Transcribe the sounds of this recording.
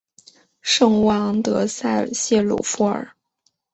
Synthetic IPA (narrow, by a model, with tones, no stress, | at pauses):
ʂɤ˥˩ŋwɑ˧˥ŋt̪ɤ˧˥sa˥˩ɪɕjɛ˥˩lṵ˨˩fu˧˥ə̰˞˨˩˦